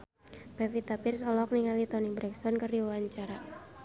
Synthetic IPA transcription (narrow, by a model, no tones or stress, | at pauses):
bɛfit̪apɪrsɔlɔk̚niŋalit̪ɔnibɾɛkst̪ɔnkərdiwawaɲt͡ʃaɾa